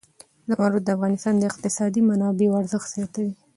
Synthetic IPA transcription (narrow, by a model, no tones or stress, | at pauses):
d̪amaɾut̪̚d̪əafɣɑnɪst̪ɑnd̪əɪqt̪ɪsɑd̪imanɑbewaɾzəxt̪sjɑt̪awi